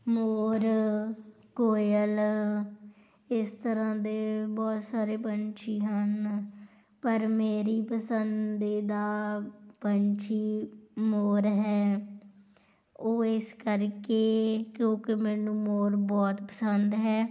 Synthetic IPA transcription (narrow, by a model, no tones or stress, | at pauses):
moːɾ | koːjəl | ɪst̪əɾãːd̪eːbɔːt̪saːɾeːpənt͡ʃiːɦən | pəɾmeːɾiːpəsənd̪iːd̪aːpənt͡ʃiːmoːɾɦɛː | oːɪskəɾkeːkjõːkemɛːnũːmoːɾbɔːt̪pəsənd̪ɦɛː